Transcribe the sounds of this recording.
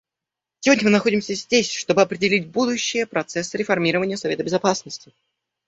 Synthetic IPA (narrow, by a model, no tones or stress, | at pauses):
sʲɪvo̞dʲnʲəmɨnɐxo̞dʲɪmsʲəzʲdʲesʲʂt̪o̞bɨɐpɾʲɪdʲɪlʲit̚ʲbud̪ʊɕːɪjəpɾɐt̪sɛsːɨɾʲɪfɐrmʲiɾəvənʲɪjəsɐvʲe̞t̪əbʲɪzɐpasnəsʲtʲɪ